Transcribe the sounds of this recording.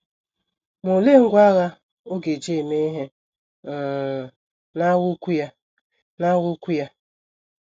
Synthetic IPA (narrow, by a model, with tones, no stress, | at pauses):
mo˨le˦˨ŋ̩˦ɡʷa˦ɣa˦ | o˦ɡe˨d͡ʒe˦˨me˦ɦe˦˨ | na˦wʊ˦kʷu˦ja˦ | na˦ɣʊ˦kʷu˦ja˦